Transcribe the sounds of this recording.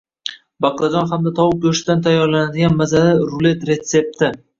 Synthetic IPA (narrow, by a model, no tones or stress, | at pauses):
baqlˠad͡ʒɒnχamd̪at̪ʰɒwʊp̚koʃɪd̪ant̪ʰajːɒɾlanad̪ɪɡʲanmazalɪɾʊle̞t̪ɾe̞t̪se̞p̚t̪ɪ